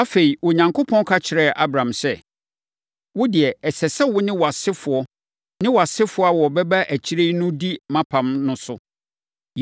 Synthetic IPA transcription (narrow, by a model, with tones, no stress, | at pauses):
a˦fe˨i˨wɔ˨ɲã˨ŋkʰo˦pʰɔ̃˦n˦kʰa˦t͡ɕʰɪ˨ɾɛ˦˨ʔa˦bɾã˨msɛ˦ | wʊ˦dɪ˨ɛ˨ɛ˨sɛ˨sɛ˦wʊ˦nɪ̃˦wɔ˨a˨sɪ˦fʊ˨ɔ˦ | nɪ̃˦wɔ˨a˨sɪ˦fʊ˨˦a˦wɔ˨bɛ˦ba˦ʔæ˨t͡ɕʰi˦ɾe˦i˦nʊ̃˦di˦mã˦pʰã˨mnʊ̃˦sʊ˦